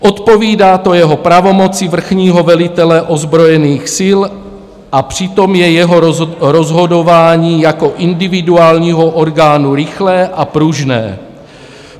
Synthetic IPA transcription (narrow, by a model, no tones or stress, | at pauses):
ʔo̞t̪po̞viːdaːt̪o̞jɛɦo̞pɾavo̞mo̞t͡sɪvr̩xɲiːɦo̞vɛlɪt̪ɛlɛʔo̞zbɾo̞jɛniːxsɪl | ʔapr̝̥ɪt̪o̞mjɛjɛɦo̞ɾozɦo̞do̞vaːɲiːjako̞ʔɪndɪvɪduaːlɲiːɦo̞ʔoɾɡaːnuɾɪxlɛːʔapɾuʒnɛ̰ː